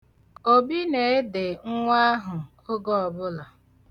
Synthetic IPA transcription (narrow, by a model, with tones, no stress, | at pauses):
o˦bi˦ne˨e˦dɪ˨ŋ̩˦ŋʷa˦ɦʊ˨kʊ˦ɡɔ˦ɔ˨bʊ˦lɔ˨